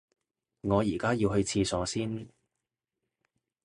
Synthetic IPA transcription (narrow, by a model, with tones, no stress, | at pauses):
ŋɔː˨˧jiː˨˩kaː˥jiː˧whɵ˧ɥt͡sʰiː˧sɔː˨˥siː˥n